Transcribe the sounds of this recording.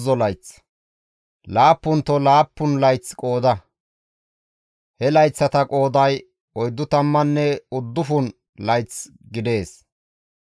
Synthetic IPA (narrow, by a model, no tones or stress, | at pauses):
zɔlɐjt͡s | laːpːʊnt̪ɔlaːpːʊnlɐjt͡skʼo̞ːd̪ɐ | hɛlɐjt͡sːɐt̪ɐkʼo̞ːd̪ɐj | ɔjd̪ːʊt̪ɐmːɐnːɛʊd̪ːʊfʊn | lɐjt͡s | ɡɪd̪e̞ːs